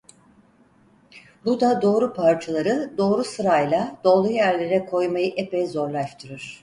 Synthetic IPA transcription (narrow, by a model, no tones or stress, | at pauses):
bud̪ad̪o̞ːɾupʰaɾt͡ʃʰalˠaɾɯd̪o̞ːɾusɯɾajlˠad̪̥o̞ːlˠujæɾlʲe̞ɾɛkʰo̞jmajɯʔepɛjzo̞ɾlˠaʃt̪ʰɯɾuɾ̥